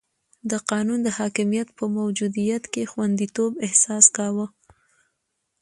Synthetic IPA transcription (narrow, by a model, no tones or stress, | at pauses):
d̪əqɑnund̪əhɑkɪmijat̪pəmawd͡ʒud̪ijat̪kexwand̪it̪obɪhsɑskɑwə